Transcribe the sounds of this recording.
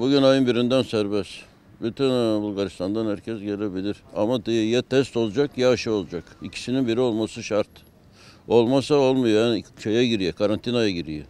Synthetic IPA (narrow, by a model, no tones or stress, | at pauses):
buɟynajɯnbiɾind̪ænsæɾbɛs | byt̪ʰynbulˠɡaɾist̪ʰand̪anhæɾcʰɛzɟelʲebilʲiɾa̰mad̪ijɛt̪ʰɛst̪o̞lˠd͡ʒakjaːʃɯo̞lˠd͡ʒakicʰi̥sininbiɾio̞lˠmasɯʃaɾt̪ | o̞lˠmasao̞lˠmajanʃejɛɟiɾijɛkʰaɾant̪ʰinajaɟiɾijɛ̰